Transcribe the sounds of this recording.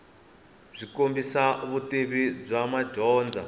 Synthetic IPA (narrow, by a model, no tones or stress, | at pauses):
z̥ʷikombisaβutʼeβib͡ʐamad͡ʒɔːnd͡za